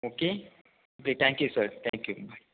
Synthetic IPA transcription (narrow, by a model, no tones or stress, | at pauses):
oke | oket̪ʰɛ̃ŋkjusəɾt̪ʰɛ̃ŋkjubʱaj